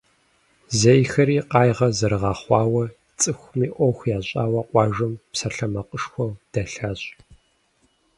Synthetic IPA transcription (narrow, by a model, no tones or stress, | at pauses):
zejxɐɾiːqɑːjʁɐzɐɾɨʁɑːχʷɑːwɐ | t͡sʼɨxʷmiːʔʷɔxʷjaːɕʼaːwɐqʷʼɑːʒɐmpsɐɬɐmɐqʼəʂxʷɔd̥ɐɬaːɕʼ